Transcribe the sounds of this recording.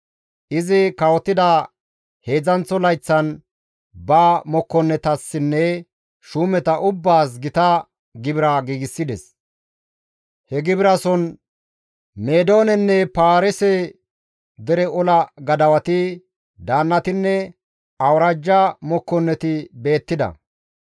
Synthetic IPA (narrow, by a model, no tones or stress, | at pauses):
ʔɪzɪkɐwɔt̪ːɪd̪ɐ | he̞ːd͡zɐnt͡sːɔlɐjt͡sːɐn | baːmɔkːɔnːɛt̪ɐsːɪnːɛ | ʃuːmɛt̪ɐʔʊbːaːs̬ɡɪt̪ɐ | ɡɪbɪɾɐɡiːɡɪsːɪd̪ɛs | hɛɡɪbɪɾɐsɔn | meːd̪o̞ːnɛnːɛpaːɾɛsɛ | d̪ɛɾɛɔlɐɡɐd̪ɐwɐt̪ɪ | d̪aːnːɐt̪ɪnːɛ | ɐwɾaːd͡ʒːamɔkːɔnːɛt̪ɪbe̞ːt̪ːɪd̪ɐ̰